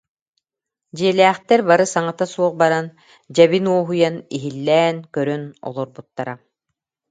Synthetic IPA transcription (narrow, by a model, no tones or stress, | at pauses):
d͡ʑiɛlɛːχt̪ɛɾbaɾɯsaŋat̪asuɔχbaɾan | d͡ʑɛβinuɔɦujaniɦilːɛːnkœɾœnɔ̰lˠɔɾbut̪ːaɾa